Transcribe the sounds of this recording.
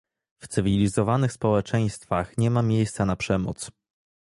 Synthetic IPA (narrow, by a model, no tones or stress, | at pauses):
ft̪sɘvʲilʲizɔvanɘxspɔwɛt͡ʂɛj̃st̪faxɲɛmamʲjejst̪sanapʂɛmɔ̰t̪s